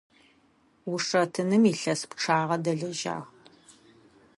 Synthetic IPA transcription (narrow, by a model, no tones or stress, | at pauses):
wʊʂɐtʰɨnɨmiːɬɐspʈ͡ʂʰaːʁɐdɐɮɐʒa̰ːʁ